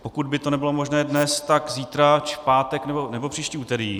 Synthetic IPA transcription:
pokud̪̚bɪt̪o̞nɛbɪlomo̞ʒnɛːdnɛst̪aɡziːt̪ɾat͡ʃpaːt̪ɛknɛbo̞nɛbo̞pr̝̥iːʃciːuːt̪ɛɾiː

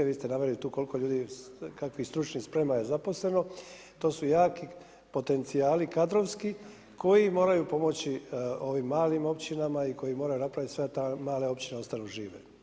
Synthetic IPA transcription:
eɾʋiːst̪e̞naʋeɾlit̪uːkolikoʎuːd̪ikakʋist̪ɾut͡ʃnispɾe̞majezapo̞sle̞no̞ | t̪o̞ːsujaːki | po̞t̪e̞nt̪siaːlikad̪ɾo̞ʋski | kʰo̞jimo̞ːɾajupo̞mo̞t͡ɕio̞ʋimːaːlimo̞pt͡ɕinamaiko̞jimoɾajunapɾaʋit̪isʋet̪amaːle̞o̞pt͡ɕineo̞st̪anuʒiːʋḛ

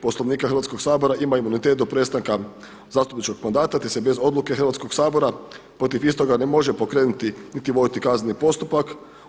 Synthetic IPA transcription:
po̞slˠo̞ʋniːkaxəɾ̩ʋat̪ko̞ɡksaːbo̞ɾaʔimaimunit̪et̪̚d̪opɾe̞t̪st̪aŋka | zaːst̪upnit͡ʃko̞ɡmand̪aːt̪at̪ese̞be̞zo̞d̪luke̞xɾʋat̪sko̞ksaːbo̞ɾapɾo̞t̪ifist̪o̞ɡane̞mo̞ʒe̞po̞kɾe̞ːnut̪init̪iʋo̞d̪it̪ikaznnipo̞st̪upak

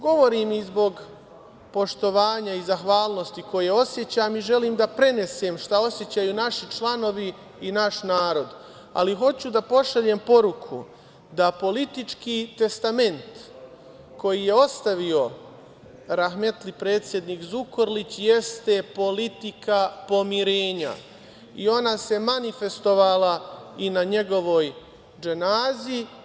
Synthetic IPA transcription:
ɡo̞ʋo̞ɾiːmizbo̞ɡ | po̞ʃt̪o̞ʋaːɲaizaxʋaːlno̞st̪iko̞jeo̞sje̞t͡ɕamiʒe̞liːmd̪apɾe̞ne̞se̞ːmʃt̪ao̞sje̞t͡ɕajunaʃit͡ʃlˠano̞ʋiː | naʃnaːɾo̞d̪ | a̰liɦo̞t͡ɕud̪apo̞ʃaʎempo̞ɾukʰṵ | d̪apo̞lit̪it͡ʃkiːt̪e̞st̪ame̞nt̪ | ko̞jije̞o̞st̪aʋio̞ | ɾaxme̞t̪lipɾe̞ːt̪sje̞d̪nikzukoɾlit͡ɕjest̪e̞po̞lit̪ikapo̞miɾe̞ːɲa̰ | io̞nase̞manife̞st̪o̞ʋalainaɲe̞ɡo̞ʋo̞ːj | d͡ʒenaːzi

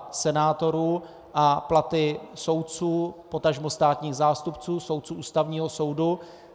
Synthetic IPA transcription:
sɛnaːt̪o̞ɾuː | ʔaplat̪ɪso̞wt̪̚t͡suːpo̞t̪aʒmo̞st̪aːt̪ɲiːɣzaːst̪upt͡suːso̞wt̪̚t͡suːʔuːst̪avɲiːɦo̞so̞wdu

